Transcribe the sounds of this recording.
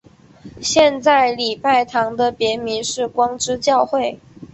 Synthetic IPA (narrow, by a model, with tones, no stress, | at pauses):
ɕjɛ˥˧nt͡sa˥˩ɪli˨˩pa˥˩ɪt̪ʰɑ˧˥ŋd̪ə˧pjɛ˧˥mi˧˥nʂɻ̩˥˩kwɑ˥ŋʈ͡ʂɻ̩˥t͡ɕjɑ˥˧ʊxwe˥˩ɪ